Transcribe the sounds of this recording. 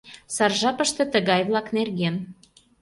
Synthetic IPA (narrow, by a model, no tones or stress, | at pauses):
sɑrʒɑpəʃt̪ĕt̪əɣɑjβlˠɑknerɣen